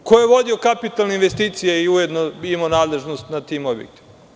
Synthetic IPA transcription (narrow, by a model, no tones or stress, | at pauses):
kojjeʋo̞d̪iokapit̪alˠneinʋest̪iːt̪sijaiuje̞d̪noimonaːd̪lˠeʒnost̪nat̪iːmo̞bjek̚t̪i̥ma